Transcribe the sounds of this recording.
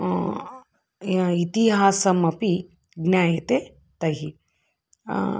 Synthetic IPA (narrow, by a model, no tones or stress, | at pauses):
it̪iɦaːsɐmɐpi | ɡnjaːjɐt̪e | t̪ɐɦi